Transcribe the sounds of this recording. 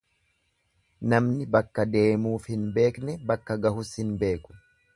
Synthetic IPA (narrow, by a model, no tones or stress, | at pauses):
nɐmnɪbɐkːɐd̪e̞ːmuːfhɪnbe̞ːknɛbɐkːɐɡɐhʊshɪnbe̞ːkʊ̥